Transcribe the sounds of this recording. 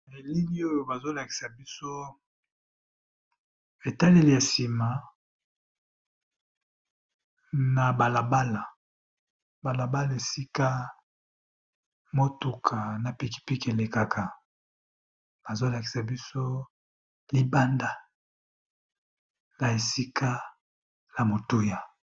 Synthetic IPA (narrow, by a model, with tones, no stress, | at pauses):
e˨li˦li˦o˦jo˨ba˨zo˦la˨ki̥˨sa˨bi˦so˦ | e˨ta˦le˦li˨ja˨si˨ma˨ | na˨ba˨la˨ba˦la˨ | ba˨la˨ba˦la˨e˨si˦ka˦ | mo˦tu˨kʰa˨na˨pi˨ki̥˦pi˦ke˨le˨ka˨kʰa˨ | b̥a˨zo˦la˨ki̥˨sa˨bi˦so˦ | li˦ba˦nda˦ | la˨e˨si˦ka˦ | ja˨mo˨tu˦ja˨